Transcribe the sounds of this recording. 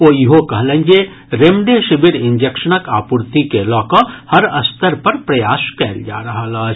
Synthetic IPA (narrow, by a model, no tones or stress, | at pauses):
oːjiɦokɐɦlẽnd͡ʒe | ɾemɖeʃɪbɪɾɪ̃ɲd͡ʒekʃənəkaːpʊɾt̪ikelɔːkohɐɾɐst̪əɾpɐɾpɾɐjaːʃkɛːld͡ʒa̰ːɾɐɦalaː